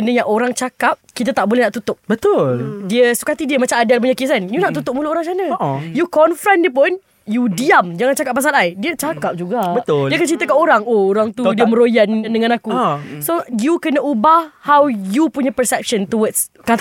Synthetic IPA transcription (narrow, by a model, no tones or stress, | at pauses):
ənəɲãʔoɾaŋt͡ʃakap̚kit̪at̪aʔbolɛhnaʔt̪ut̪ʊp̚bət̪ʊldiəsu̥kat̪idiəmat͡ʃamadalp̬uɲakisanjunaʔt̪ut̪ʊmulʊʔoɾaŋt͡ʃanəʔjukɔnfɾandiəp̬ʊn | judiamd͡ʒaŋant͡ʃakap̚ːas̬alajdiət͡ʃakap̚d͡ʒuɡabət̪ʊiakant͡ʃɾint̪əkanoɾaŋooɾaŋt̪udiəməɾojanndəŋãnakusojukənəʔubahhawjupuɲəpəsɛp̚ʃənt̪uwəds | kat̪